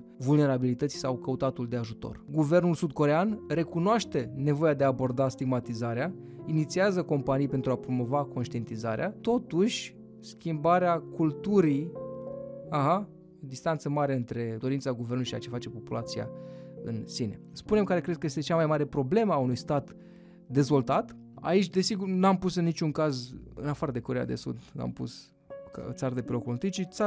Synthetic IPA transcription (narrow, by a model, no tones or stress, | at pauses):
vulne̞ɾabilit̪ət̪si̥sawkəut̪at̪uld̪e̞aʒut̪o̞̰rɡuve̞rnulsud̪ko̞ɾe̞anre̞kunoaʃt̪e̞ne̞vo̞jad̪e̞abo̞rd̪ast̪iɡmat̪izaɾea | init̪siazəko̞mpanijpent̪ɾuapɾo̞mo̞vako̞nʃt̪ie̞nt̪izaɾeat̪o̞t̪uʃʲ | skʲimbaɾeakult̪uɾi | aɦa | d̪ist̪ant̪səmaɾe̞ɨnt̪ɾe̞d̪o̞ɾint̪saɡuvernuluiʃia̰t͡ʃe̞fat͡ʃe̞po̞pulʔat̪sija̰ɨ̰nsine̞̰spune̞mkaɾe̞kɾe̞d̪̚kəje̞st̪e̞t͡ʃamajmaɾe̞pɾo̞ble̞məaunujst̪at̪ | d̪e̞zvo̞lt̪at̪ | a̰it͡ʃʲd̪e̞siɡurnuampusɨnːit͡ʃuŋkazɨ̰nafaɾəd̪e̞ko̞ɾeja̰d̪e̞̰sṵd̪na̰mpṵs | at̪saɾəd̪e̞pelokulunt̪it͡ʃit̪sa